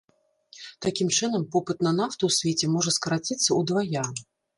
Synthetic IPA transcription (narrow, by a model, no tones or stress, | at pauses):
t̪akʲimt͡ʂɨnɐmpɔpɨt̪nɐnaft̪uwsʲvʲet͡sʲɛmɔʐɐskɐɾat͡sʲit̪sːɐud̪vaja